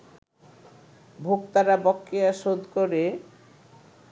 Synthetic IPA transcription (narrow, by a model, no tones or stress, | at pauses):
bʱokt̪aɾabɔkːejaʃod̪koɾe